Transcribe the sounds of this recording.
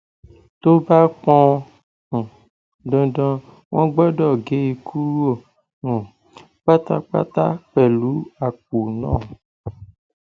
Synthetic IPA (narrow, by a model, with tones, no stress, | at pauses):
t̪o˦ba˦k͡pɔ̃˦˨ | ɖɔ̃˨ɖɔ̃˦ | wɔ̃˦ɡ͡bɛ˦ɖɔ˦˨ɡe˦ji˨kʰu˦ɾo˦˨ | ũ˨ | k͡pa˦t̪a̰˦k͡pa̰˦t̪a˦k͡pɛ˨lu˨˦a˨k͡p̚u˨nɔ̰̃˦˨